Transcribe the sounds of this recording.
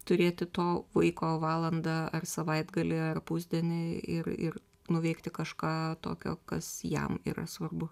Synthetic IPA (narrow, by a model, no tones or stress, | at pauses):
t̪ʊɾʲeːt̪ʲɪt̪oːʋɐɪkoːʋɑːlˠɐnd̪ɑːɐrsɐʋɐɪd̪ɡɐlʲɪɐrpʊzʲd̪ʲiɛnʲɪɪ̰ɾɪ̰r | nʊʋʲɛɪkt̪ʲɪkɐʃkɑːt̪o̰ːkʲo̰ːkɐsjɛ̰mḭːɾɐ̰sʋɐrbʊ